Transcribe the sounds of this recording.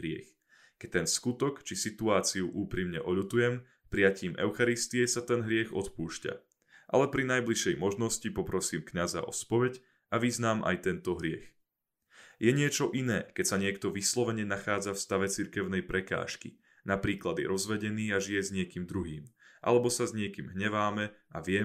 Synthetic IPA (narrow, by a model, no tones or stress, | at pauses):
ɾɪɛ̰x | kɛct̪ɛnskut̪ɔkt͡ʃisit̪uaːt͡siuʔuːpɾimɲɛʔɔʎut̪ujɛm | pɾijaciːmʔɛ̰ʊxaɾist̪iɛsat̪ɛnɦɾɪɛɣɔt̪puːʃca̰ | ʔa̰lɛpɾinajbliʃɛjmɔʒnɔscipɔpɾɔsiːmkɲaza̰ʔɔspɔʋɛɟ | aʋiznaːmʔa̰jt̪ɛnt̪ɔɦɾɪɛ̰x | jɛɲɪɛt͡ʃɔʔinɛːkɛcsaɲɪɛkt̪ɔʋislɔʋɛɲɛnaxaːd͡zafst̪aʋɛt͡siɾkɛʊnɛjpɾɛka̰ːʃkḭ | napɾiːklad̪jɛ̰ɾɔzʋɛɟɛniːaʒijɛzɲɪɛkiːmd̪ɾuɦiːmʔa̰lɛbɔsazɲɪɛkiːmɦɲɛʋaːmɛaʋɪɛ